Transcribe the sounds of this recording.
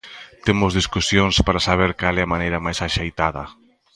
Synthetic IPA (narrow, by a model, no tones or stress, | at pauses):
t̪emʊzðiskusjoŋspaɾasaβ̞eɾkalɛamanejɾɐmajsaʃejt̪aðɐ